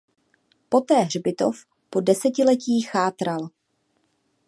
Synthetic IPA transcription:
po̞t̪ɛːɦr̝bɪt̪o̞f | po̞dɛsɛcɪlɛciːxaːt̪ɾal

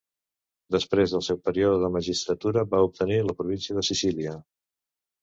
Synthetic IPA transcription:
d̪əspɾezðəlˠsɛwpəɾioðəðəməʒist̪ɾət̪uɾəβaup̚t̪əniləpɾuβinsiəðəsisiliə

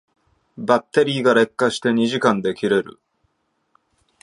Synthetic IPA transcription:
bat̪ːe̞ɾʲiːɡaɾe̞kːaɕi̥t̪e̞ɲ̟iʑikãnd̪e̞kʲiɾe̞ɾɯ̟̰

